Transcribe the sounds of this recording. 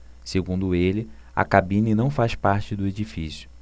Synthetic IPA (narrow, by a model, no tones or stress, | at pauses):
seɡũnd̪ʊelɪ | a̰kabĩninɐ̃w̃faspaɾt͡ʃɪd̪ʊed͡ʒifisjʊ